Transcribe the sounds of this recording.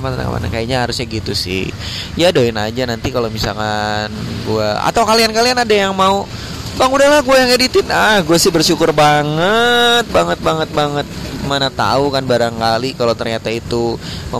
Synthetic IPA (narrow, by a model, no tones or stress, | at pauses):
mat̪a̰na̰kə̰ma̰na̰kajaɲaɦaɾʊsɲaɡit̪usɪ̰h | jadoɪna̰d͡ʒanant̪ikalomisalkanɡuaa̰t̪awkaliankalianadajaŋmau | baŋudahlahɡuajaŋadit̪ɪnahɡuasɪhbərʃukʊrbaŋət̪̚baŋət̪̚baŋət̪̚baŋət̪̚manat̪a̰ukanbaɾaŋkalikalowt̪ərɲat̪ait̪umə